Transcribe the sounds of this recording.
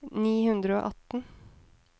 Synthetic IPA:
niːhʉnd̪ɾəo̰ːʔɑt̪n̩

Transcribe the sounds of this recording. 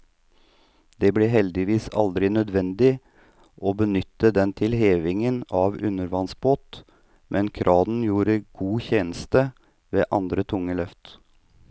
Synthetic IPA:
d̪̥eːblɛːɦɛld̪ɪʋiːsɑ̰ld̪ɾɪnœd̪ʋɛnd̪ɪ | ʔoːbənʏt̪ːəd̪ɛnt̪ʰɪlheːʋɪŋənɑːʋʉnəɾʋɑnsboːt̪ | mʔɛnkʰɾʔɑːd̪n̩juːɾəɡ̥uːçeːnəst̪ə | ʋeːʔɑnd̪ɾət̪ʰʊŋːəlœft̪

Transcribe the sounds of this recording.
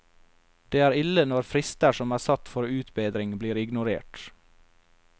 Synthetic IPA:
d̪̥eːæːɾɪlənɔɾfɾɪst̪əʃɔmæːsɑt̪fɔɾʉːt̪beːd̪ɾɪŋbliːɾɪɡnʊɾḛːʈ

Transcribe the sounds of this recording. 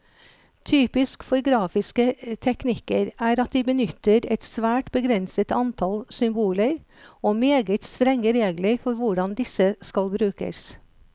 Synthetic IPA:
t̪ʰyːpɪskfɔɾɡɾɑːfɪskət̪ʰɛknɪkəɾæːɾɑt̪̚d̪iːbənʏt̪əɾɛt̪sʋæːʈbəɡɾɛnsət̪ɑnt̪ʰɑlsʏmbuːləɾ | oːmeːɡət̪st̪ɾɛŋːəɾeːɡləɾfɔɾʋʊɖɑnd̪ɪsəskɑlbɾʉːkə̰s

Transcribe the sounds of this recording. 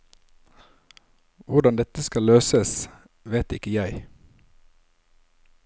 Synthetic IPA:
ʋʊɖɑnd̪ɛt̪əskɑløːsəs | ʋeːt̪ɪkəjæɪ

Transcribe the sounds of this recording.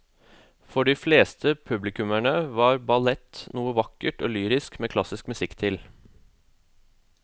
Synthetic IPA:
fɔɖɪfleːst̪ʰəpʰʉblɪkʉmæɳəʋɑːɾbɑlɛt̪nuːəʋɑkːəʈo̰ːlyːɾɪskmeːkʰlɑsɪskmʉsɪkːt̪ʰɪl

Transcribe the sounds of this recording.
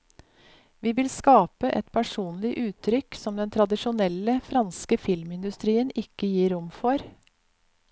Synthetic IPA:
ʋiːʋɪlskɑːpəʔɛ̰t̪pʰæʂuːnlɪʔʉːt̪ʰɾʏksɔmd̪ɛnt̪ʰɾɑd̪ɪʂʊnɛlːəfɾɑnskəfɪlmɪnd̪ʉst̪ɾiːənɪkːəjiːɾʊmfɔɾ

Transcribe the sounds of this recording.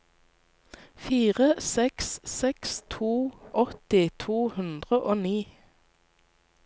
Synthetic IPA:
fiːʁəsɛkssɛkst̪ʰuːʔɔt̪ɪt̪ʰuːhʉnd̪ʁəʔoːniː

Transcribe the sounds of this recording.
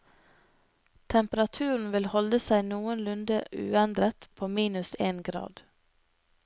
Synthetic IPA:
t̪ʰɛmpəɾɑt̪ʰʉːɾɳ̩ʋɪlhɔləsæɪnuːənlʉnd̪əʔʉ̰ːɛnd̪ɾət̪pʰoːmiːnʉseːnɡɾɑ̰ːd̪

